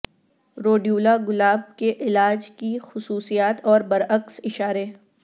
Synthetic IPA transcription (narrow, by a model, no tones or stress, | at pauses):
ɾoːɖjuːlaɡʊlaːb̚keʔɪlaːd͡ʒkixʊsuːsijaːt̪ɔːɾbɐɾɐksɪʃaːɾe